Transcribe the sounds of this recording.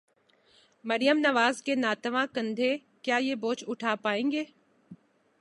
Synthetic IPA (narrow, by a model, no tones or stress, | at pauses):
mɐɾɪjəmnɐʋaːzkeːnaːt̪əʋãkə̃nd̪ʱeː | kjaːieboːt͡ʃʊʈʰaːpaːẽːŋɡeː